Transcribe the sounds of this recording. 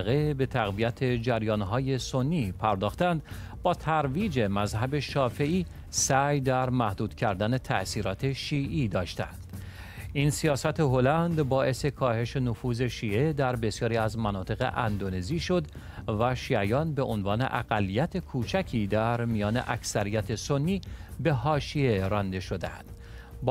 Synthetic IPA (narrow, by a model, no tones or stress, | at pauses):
ɣe̞be̞t̪ʰæɣvijæt̪ʰe̞d͡ʒæɾjɒːnɦɒːje̞so̞nːiːpʰæɾd̪ɒːxt̪ænd̪ | bɒːt̪ʰæɾviːd͡ʒe̞mæzhæbe̞ʃɒːfe̞ʔiː | sæjd̪æɾmæhd̪uːd̪̥cʰæɾd̪æne̞t̪ʰæʔsiːɾɒːt̪ʰe̞ʃiːʔiːd̪ɒːʃt̪æ̰nd̪̥ | insiɒːsæt̪ʰe̞ɦo̞lænd̪bɒːʔe̞se̞kʰɒːhe̞ʃe̞nofuːze̞ʃiːʔe̞d̪æɾbe̞sjɒːɾiːæzmænɒːt̪ʰe̞ɣe̞̰ʔæ̰nd̪one̞ziːʃo̞d̪ | væʃiːæjɒːnbe̞ʔonvɒːnḛʔæɣ̥ælːijæt̪ʰe̞kʰuːt͡ʃʰæcʰiːd̪æɾmijɒːne̞̰ʔæksæɾijæt̪ʰeso̞nːiːbe̞ɦɒːʃieɾɒnd̪e̞ʃo̞d̪eæ̰nd̪̥ | b